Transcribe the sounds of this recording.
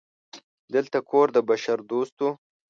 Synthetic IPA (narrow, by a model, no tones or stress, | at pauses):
d̪əlt̪akʰoɾd̪əbaʃaɾd̪ost̪wu